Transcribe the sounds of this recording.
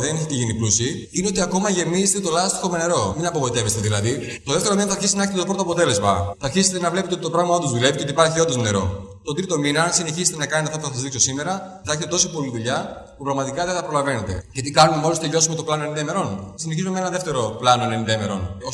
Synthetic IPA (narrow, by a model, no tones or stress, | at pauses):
ðeneçet̪eʝiniplusi | ineo̞t̪̬iɐko̞mɐʝe̞mizest̪et̪o̞lɐst̪i̥xo̞mene̞ɾo̞minɐpo̞vo̞it̪e̞vest̪eðilɐði | t̪oðeft̪eɾo̞minɐθɐɾçist̪eneçet̪et̪o̞pɾo̞t̪oɐpot̪e̞le̞zmɐ̰θɐɾçiset̪enɐvle̞pet̪eot̪it̪pɾɐɣlimɐod̪uzðule̞vit̪eot̪ipɐɾçio̞d̪oone̞ɾo̞̰ | t̪o̞t̪ɾit̪o̞minɐnsine̞çizet̪e̞nɐkɐnt̪eɐft̪ɐpuθɐsɐzðikso̞sime̞ɾɐ | θɐeçet̪et̪o̞sipo̞liðuʎɐ | pupɾɐɣmɐt̪ikɐðeθɐpɾo̞lɐve̞ne̞t̪e̞̰cet̪ikɐnume̞mo̞list̪eʎo̞sume̞t̪o̞plɐnoenind̪eme̞ɾo̞nsineçizume̞menɐðe̞ft̪e̞ɾo̞plɐnonenind̪eme̞ɾo̞̰no